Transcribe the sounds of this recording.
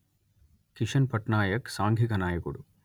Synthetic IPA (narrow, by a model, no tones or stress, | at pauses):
kiʂɐnpɐʈnaːjɐksaːŋɡʱikɐnaːjɐkuɽṵ